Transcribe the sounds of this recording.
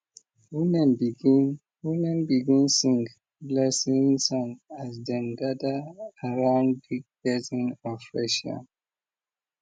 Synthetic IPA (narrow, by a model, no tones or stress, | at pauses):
wimɛ̃nbiɡin | wimɛ̃nbiɡĩnsĩŋɡ | blɛsĩnsɔ̃nasdɛ̃nɡadaaɹãʊ̃ndbiɡ̚bɛzĩnɔfɹɛʃɔ̰̃n